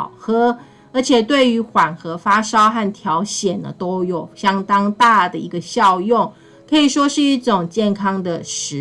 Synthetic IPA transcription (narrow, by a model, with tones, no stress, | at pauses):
xɤ˥ | ə˞˧˥t͡ɕʰjɛ˨˩t̪we˥˩ɪy˧˥xwa˨˩nxɤ˧˥fa˥ʂɑ˥ʊxa˥˩nt̪ʰjɑ˧˥ʊɕjɛ˨˩nːə̰˩t̪o˥ʊjo˨˩ʊɕjɑ˥ŋt̪ɑ˥ŋt̪a˥˩d̪ə˩i˧˥ɡə˧ɕjɑ˥˧ʊjo˥˩ŋ | kʰɤ˧˥i˨˩ʂwɔ˥ʂɻ̩˥˧i˥˩ʈ͡ʂʊ˨˩ŋt͡ɕjɛ˥˩nkʰɑ˥ŋd̪ə˨ʂɻ̩˧˦˥